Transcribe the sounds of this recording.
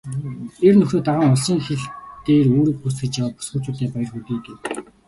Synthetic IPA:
ernɵxʲoːt̪aʁə̆ŋɔɮsiːŋxeɮt̪eːroːɾĭːk̚pus̬ɡɘ̆t͡ɕjawaːt̪̚pʊ̥sɡə̆t͡ɕʊːt̪æːpajə̆rxut̪iːɡ̪ew

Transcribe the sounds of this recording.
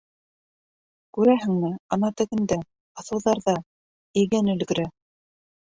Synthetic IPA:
kʉɾæɦɘ̆ŋmɘɑnɑt̪ɘ̆ɡɘ̆nd̪æ | ɤ̆θɤ̆wðɑɾðɑ | ɘ̆jɡænɵ̆lɡɘ̆ɾæ

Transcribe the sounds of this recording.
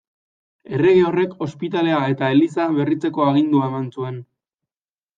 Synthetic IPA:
e̞re̞ɣio̞re̞ko̞spit̪ale̞ae̞t̪ae̞lisaβe̞rit͡se̞ko̞aɣ̞ind̪uae̞mansue̞n

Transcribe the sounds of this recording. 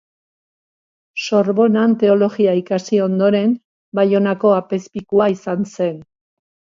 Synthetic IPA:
so̞ɾβo̞nant̪e̞o̞lo̞ɣiaikasio̞nd̪o̞ɾe̞n | bajo̞nako̞ape̞spikuaisanse̞n

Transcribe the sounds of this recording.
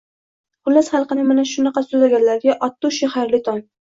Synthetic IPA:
bʊlːasχɑlˠqɨnɪmanaʃʊnɑqɑsʊzaɡʲanlaɾɡʲaʔɒt̪ːʊʃehaɾlɪt̪ʰɒn

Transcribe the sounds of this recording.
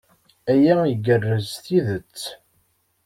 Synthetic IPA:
æjæiɡərːəzθiðət͡sː

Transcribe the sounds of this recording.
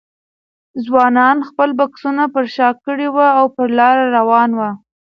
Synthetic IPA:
zwɑnɑnxpəlbaksunapəɾʃɑkːəɽewaawpəɾlɑɾaɾawɑnwa

